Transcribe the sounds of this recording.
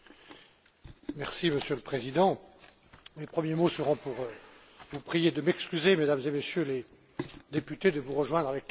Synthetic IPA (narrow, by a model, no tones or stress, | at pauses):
mɛʁsiməsjøləpχezid̪ɑ̃ | mepχəmjemosəʁɔ̃puʁvupχijed̪əmɛkskʲyzemed̪amzemesjøle | d̪epyt̪ed̪əvuʁəʒwɛ̃d̪ʁavɛk̚